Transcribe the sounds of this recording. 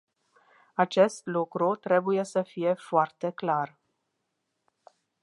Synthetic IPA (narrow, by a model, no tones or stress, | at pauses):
at͡ʃe̞st̪lukɾut̪ɾe̞buje̞səfije̞foart̪e̞klar